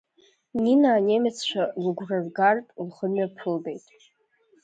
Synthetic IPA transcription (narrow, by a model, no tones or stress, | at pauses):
ninaːnemʲat͡sʰt͡ʃʷʰaluɡʷrɨrɡartʼlχəmɥapʰɨlbe̞jtʼ